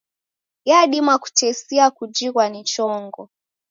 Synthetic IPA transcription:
jaɗimwaku̥tʰɛsiakud͡ʒiɣwanit͡ʃɔŋɡɔ

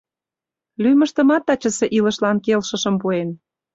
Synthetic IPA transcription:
lymə̆ʃt̪ə̆mɑt̪ːɑt͡ɕə̆seʔilə̆ʃlɑnkelʃə̆ʃə̆mpuen

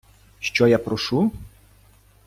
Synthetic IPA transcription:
ʃt͡ʃɔjapɾɔʃu

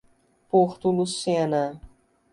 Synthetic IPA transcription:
poχt̪ulusanɐ

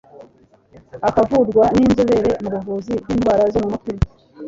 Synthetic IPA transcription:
akavuɾɡwaniːnzuβe̞ɾe̞muβuvuːzibjiːnɡwaːɾazomumukuɾi̥

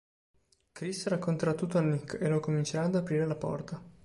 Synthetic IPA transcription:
kɾisɾakːont̪eɾat̪ːut̪ːoanːikːelokomint͡ʃeɾaːd̪apɾiːɾelapɔ̰rt̪a

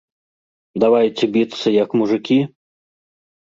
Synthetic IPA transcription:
d̪avajt͡sʲɛbʲit̪sɨjɐkmuʐɨkʲi

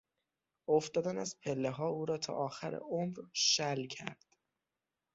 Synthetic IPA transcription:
oft̪ɒːd̪ænæzpʰelːeɦɒːuːɾɒːt̪ʰɒ̰ːʔɒːxæɾḛʔomɾʃælcʰæ̰ɾd̪̥

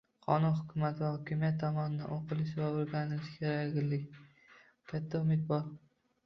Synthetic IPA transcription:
qʰɒ̰nʊnhʊkʲʰʊmat̪ʰvahɒkʲɪmijat̪ʰːɒmɒnɪd̪a̰noqʰɨlɪʃvaoɾɡʲanɪlɪʃkʲʰeɾaɡʲɪlːɪkʲ | kʲʰat̪ʰːaʊmɪt̪̚bɒɾ

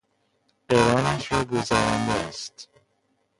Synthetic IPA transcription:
eɾɒːnæʃɾɒːɡozæːɾænd̪est̪

